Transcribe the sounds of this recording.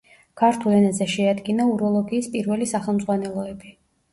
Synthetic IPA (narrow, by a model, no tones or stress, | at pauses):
kʰaɾt̪ʰulɛnazɛʃɛad̪ɡinauɾɔlˠɔɡiːspʼiɾvɛlisaχɛlˠmzʼʁwanɛlˠɔɛbi